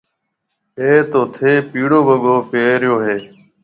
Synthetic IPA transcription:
eːt̪oːt̪ʰeːpiːɽoːbʱəɠoːpeːɾjoːɦeː

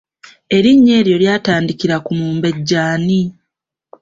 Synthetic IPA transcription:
e̞ɾiɲːe̞ːɾjo̞ljaːtaːndikiɾakumuːmbe̞ɟːaːni

